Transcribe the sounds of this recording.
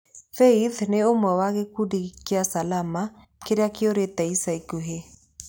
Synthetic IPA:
feiðneomwɛwaɣekudiɣkiasalama | keɾeakeoɾetɛisaikuɦe

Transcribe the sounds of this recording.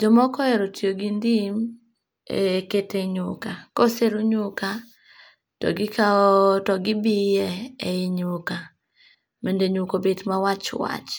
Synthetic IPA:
d͡ʒɔmɔkɔɛɾotjoɡindim̰ | eketeɲʊkakɔselʊɲʊka | tɔ̰ɡɪkaɔtɔɡɪbijɛɛɪɲʊka | mendeɲukobetmawat͡ʃwa̰t͡ʃ

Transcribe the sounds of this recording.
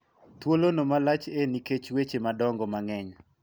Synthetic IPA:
t̪wolonomalat͡ʃeniket͡ʃwet͡ʃemadɔŋɡɔmaŋɛɲ

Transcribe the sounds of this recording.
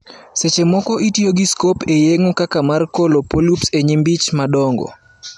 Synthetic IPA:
set͡ʃemɔkɔʔitjoɡiskopejeŋokakamarkolopolupseɲimbit͡ʃmadɔŋɡɔ̰

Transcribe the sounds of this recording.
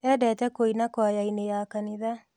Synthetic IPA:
ɛdɛtɛkoinakwajainejakaniða

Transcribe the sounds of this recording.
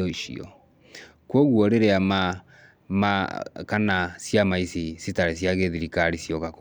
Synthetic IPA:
ɔiʃḭɔ̰ | kwɔɣwɔɾeɾeama | makanasjamaisisitaɾesjaɣeðiɾikaɾisjɔkak

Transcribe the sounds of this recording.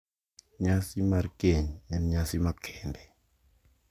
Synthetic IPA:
ɲasimaɾkeɲɛnɲasimakʰɛːmbɛ

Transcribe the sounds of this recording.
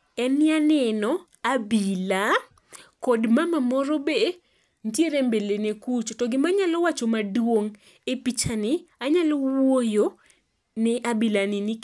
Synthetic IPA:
ɛnɪanɛnɔ | abila | kɔdmamamɔɾobe | ntjeɾembelenekut͡ʃtɔɡɪmaɲalɔwat͡ʃomadwoŋ | epit͡ʃanɪaɲalɔwojo | nɪʔabilanɪni

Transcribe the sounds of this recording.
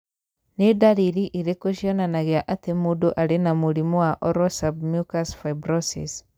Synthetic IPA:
nedaɾiɾiʔiɾekoʃiɔnanaɣeaʔatemudoʔaɾenamuɾimɔwaʔɔɾɔsabmjukasfaibɾɔsḭs

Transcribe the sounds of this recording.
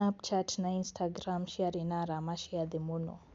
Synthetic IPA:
ap̚t͡ʃatnainstʰaɡɾamʃiaɾinaɾamaʃiaðimunɔ̰

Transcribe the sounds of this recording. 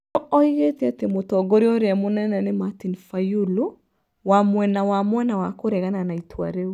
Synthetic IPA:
ɔɔiɣetatemotɔɡoɾeɔɾeamonɛnɛnematinfajulu | wamwɛnawamwɛnawakoɾɛɣananaitʰwa̰ɾeu

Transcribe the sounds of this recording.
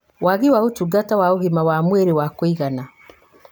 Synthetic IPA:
waɣiwaotuɡatawaoɣimawamweɾewakoiɣana

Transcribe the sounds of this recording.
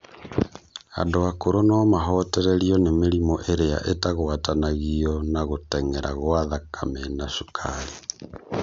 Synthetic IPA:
a̰ndoakoɾonɔmaɦɔtɛɾɛɾiɔnemeɾimɔʔeɾea̰ʔetaɣoatanaɣiɔnaɣotɛŋɛɾʔa̰ɣwaðakʰamenaʃukʰaɾi

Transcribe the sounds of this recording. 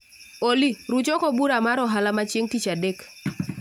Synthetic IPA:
oliɾut͡ʃɔkɔbuɾamaɾɔɦalamat͡ʃeŋtit͡ʃadek

